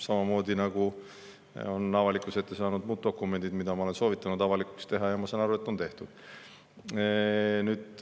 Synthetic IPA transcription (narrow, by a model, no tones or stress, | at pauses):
sɑmɑmo̞ːd̪̥ʲinɑɡ̥u | o̞nɑvɑlikˑuse̞t̪ːe̞sɑːnud̪muːd̪̚d̪o̞kːˑume̞nd̪id̪mid̪̥ɑmɑo̞le̞nso̞ːvit̪ːˑɑnud̪ɑvɑliku̥kst̪e̞ɦɑjɑmɑsɑnɑɾue̞t̪ːˑo̞nt̪e̞ht̪ud̪̥ | nyːd̪̥